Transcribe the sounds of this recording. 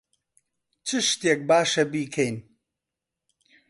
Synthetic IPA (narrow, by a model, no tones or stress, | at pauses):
t͡ʃʰɨʃt̪eːk̚baːʃɐbiːkʰɛjn